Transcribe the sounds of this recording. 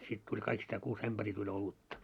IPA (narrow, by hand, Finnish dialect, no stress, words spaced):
sit tulʲ kɑikistæː kuːs æmb̥æriː tulʲ olutːɑ